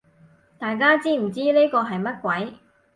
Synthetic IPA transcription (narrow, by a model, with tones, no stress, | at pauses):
t̪aː˨jkaː˥t͡siː˥m̩˨˩t͡siː˥le˥kɔː˧ɦɐ˨jmɐ˥t̚kʷwɐ˨˥j